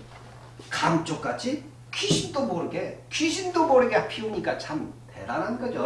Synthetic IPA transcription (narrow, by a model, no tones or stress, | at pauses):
kamt͡ɕ͈ok͈at͡ɕʰi | kʰiɕʰindomoɾɯɡekʰiɕʰind̪omoɾɯɡepʰiuɲik͈at͡ɕʰamteɾanɦanɡʌd͡ʑo